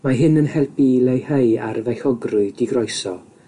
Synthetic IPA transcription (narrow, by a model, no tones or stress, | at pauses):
maɦɪnənhɛlpilejheɨa̰rvɛxɔɡrʊɨdiɡrɔjsɔ